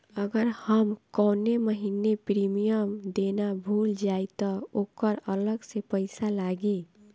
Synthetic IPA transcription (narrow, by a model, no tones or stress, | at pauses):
əɡəɾhəmkɔːneməɦinepɾimijəmd̪enabʱuld͡ʒait̪ɔokəɾələɡsepəɪsalaɡe